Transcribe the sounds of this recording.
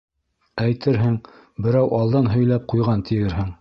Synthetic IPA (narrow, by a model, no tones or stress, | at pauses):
æjt̪ɘɾɦɘŋ | bɘ̆ɾæwʔɑlˠd̪ɑnɦɵ̆jlæp̚qujʁɑnt̪ʰijɘɾɦɘŋ